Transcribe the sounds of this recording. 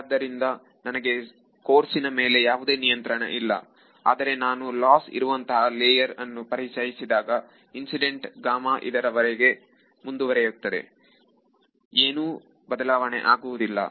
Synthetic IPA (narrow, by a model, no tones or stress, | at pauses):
d̪ːɐɾind̪ɐ | nɐnɐɡe̞ | ko̞ːɾsinɐme̞ːle̞jaːʋud̪eːnijɐnt̪ɾɐɳɐ̰ʔilːɐ̰ | a̰ːd̪ɐɾe̞naːnulaːsḭɾuʋɐnt̪ɐɦɐleːjɐɾɐnːupɐɾit͡ʃɐjisid̪aːɡɐ | insiɖe̞ɳʈɡaːmaːʔḭd̪ɐɾɐʋɐɾeɡe̞ | mund̪uʋɐɾejot̪ːɐd̪e̞̰ | eːnuː | bɐd̪ɐlaːʋɐɳḛʔaːɡuʋud̪ilːɐ̰